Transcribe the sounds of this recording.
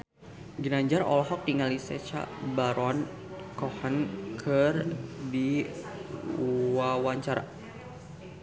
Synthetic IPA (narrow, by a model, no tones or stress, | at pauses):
ɡənaɲd͡ʒarɔ̰lɔɦɔk̚tiŋalisɛt͡ʃa̰baɾɔn | kɔhənkʰərdi | wawaɲt͡ʃaɾa̰